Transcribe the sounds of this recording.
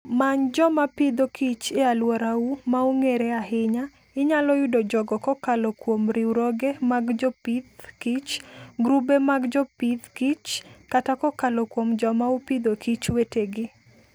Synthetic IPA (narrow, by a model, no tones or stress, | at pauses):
maɲd͡ʒɔmapɪd̪okʰit͡ʃɪalwɔɾaumauŋeɾɛahɪɲa | ɪɲalɔjʊdɔd͡ʒɔɡɔkɔkalɔkwomɾiuɾɔɡemaɡd͡ʒɔpid̪kit͡ʃɡɾubemaɡd͡ʒɔpid̪kit͡ʃkatakɔkalɔkwomd͡ʒɔmaupid̪okit͡ʃweteɡɪ